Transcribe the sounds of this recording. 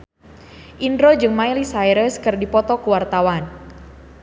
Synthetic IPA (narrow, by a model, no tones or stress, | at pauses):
ʔindɾod͡ʒɨŋmailisajɾəskɨrdipɔt̪ɔkuwart̪awan